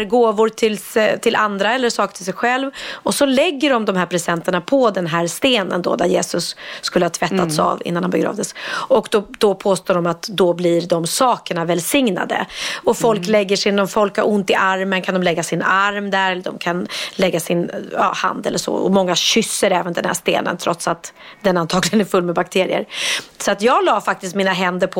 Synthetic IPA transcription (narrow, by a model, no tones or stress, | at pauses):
ɾɡoːvʊɾtʰɪlt̪ʰɪlʔand̪ɾaɛlːəʂɑːkt̪ʰɪlsɛjɧɛlvɔsɔlɛɡːəɖɔmd̪ɔmɦæːɾpʰɾɛsɛnt̪əɳapʰɔd̪ɛnɦæːɾst̪eːnə̰nd̪ɔ̰d̪æɾjeːsɵsːkɵləhɑːt̪ʰv̥ɛt̪ːasa̰vɪ̰nːanhambɛɡɾɑ̰ːvd̪əsɔkd̪ɔd̪̥ɔpʰoːst̪oːɖɔmat̪d̪ɔblɪɖɔmsɑːkəɳavɛlsɪŋna̰d̪ə̰ɔfɔlklɛɡːəʂɪnɔmfɔlkhaɾʊnt̪ɪʔaɾmənkʰand̪ɔmlɛɡːasɪnaɾmd̪æɾɛlːəɖ̪ɔmkʰanlɛɡːasɪnjɑ̰ːha̰nd̪ɛlːəʂɔ̰ɔ̰mɔŋːaɕʏsːəɾɛːvənd̪ɛnhæ̰ʂt̪ḛːnə̰nt̪ʰɾɔt̪sat̪d̪ɛnant̪ʰɑːɡlɪɡənæɾfɵlːmɛbak̚t̪ʰeːɾɪ̰ə̰ɾsɔat̪jɑːɡlɑːfak̚t̪ɪst̪miːnaɦɛnd̪əɾpʰɔ